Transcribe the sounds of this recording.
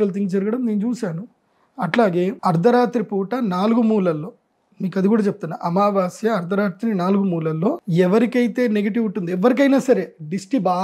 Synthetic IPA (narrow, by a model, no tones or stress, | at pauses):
ɾɐlt̪ʰiŋɡd͡ʒɐɾuɡɐɽɐmneːnut͡ʃuːʃaːnu | ɐʈlaːɡeːɐɾd̪ʱɐɾaːt̪ɾipuːʈɐnaːluɡumuːlɐlːo̞ː | miːkɐd̪ikuːɽaːt͡ʃep̚t̪unːa̰ːʔɐmaːʋaːsjɐɐɾd̪ʱɐɾaːt̪ɾinaːluɡumuːlɐlːo̞ːɛʋɐɾikɐjt̪e̞ːneɡɐʈ̬iʋuɳʈːund̪iɛʋːɐɾik̬ɐjnaːsɐɾe̞ːɖisʈibaː